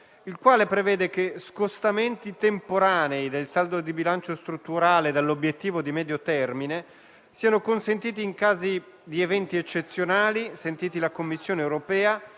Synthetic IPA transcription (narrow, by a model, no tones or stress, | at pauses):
ilkwaːlepɾevɛːd̪ekeskost̪ament̪it̪empoɾaːneid̪elsald̪od̪ibilant͡ʃost̪ɾut̪ːuɾaːled̪alːobjet̪ːiːvod̪imɛːd̪jot̪ɛrmine | siːanokonsent̪iːt̪iːŋkaːzi | d̪ievɛnt̪iet͡ʃːet̪sːjonaːlisent̪iːt̪ilakomːisːjoːneːwɾopɛːa